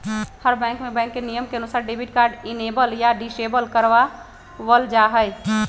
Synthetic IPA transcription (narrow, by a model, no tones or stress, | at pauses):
həɾbɛ̃ːŋkmẽbɛ̃ːŋkːenijəmkeənʊsaːɾɖebʱiʈ̚kaːɾɖinebəljaɖɪsebəlkəɾʋa | ʋəld͡ʒaɦəɪ